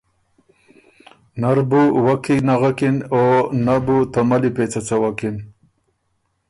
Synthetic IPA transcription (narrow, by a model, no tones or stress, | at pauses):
naɾbuwakʰinaɣakinonabut̪amalipeːt͡sat͡sawakin